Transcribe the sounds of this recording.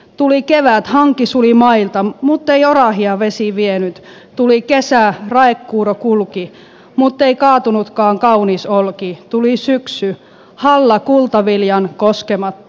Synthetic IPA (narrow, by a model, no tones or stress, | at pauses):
t̪ulikeʋæt̪hɑŋkisulimɑilt̪ɑmut̪ːeiorɑhiɑʋesiʋienyt̪ | t̪ulikesærɑekːuːrokulki | mut̪ːeikɑːt̪unut̪kɑːŋkɑunisolkit̪ulisyksy | hɑlːɑkult̪ɑʋiljɑnkoskemɑt̪ː